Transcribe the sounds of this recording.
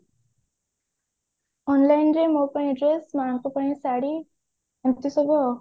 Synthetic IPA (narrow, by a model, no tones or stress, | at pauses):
ɔnlajnɾemopaɽ̃ĩɖɾesmaɹɔŋkɔpaɽ̃ĩsaɽi | ɛmt̪isɔbɔ